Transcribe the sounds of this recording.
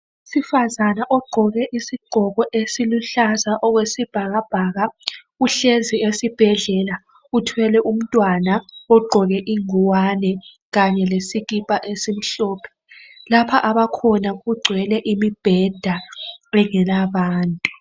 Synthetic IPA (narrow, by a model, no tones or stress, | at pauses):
usifazanaʔɔɡ͡ǃʱɔɣɛʔisiɡ͡ǃʱɔɣɔʔesiluɬazaʔɔɣwesib̥ʱaɣab̥ʱaɣa | uɬeziesib̥ʱɛɮɛla | utʰwɛlɛʔum̩tʼwanaɔɡ͡ǃʱɔɣɛʔiŋuwanɛ | ɣaɲɛlesiɣipʼaʔesim̩ɬɔːpʰɛ̥ | lapʰaʔaβakʰɔnaɣuɡ͡ǀʱwɛlɛʔimib̥ʱɛd̥ʱaɛŋɛlaβaːntʼu